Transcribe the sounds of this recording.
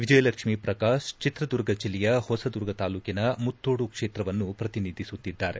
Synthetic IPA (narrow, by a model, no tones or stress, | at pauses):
ʋid͡ʒɐjɐlɐkʂmipɾɐkaːʂt͡ʃit̪ɾɐd̪uɾɡɐt͡ʃilijɐhɔsɐd̪uɾɡʱɐt̪aːluːkinɐmut̪ːoːɽukʂeːt̪ɾɐʋɐnːupɾɐt̪inid̪ʱisut̪ːid̪ːaːɾe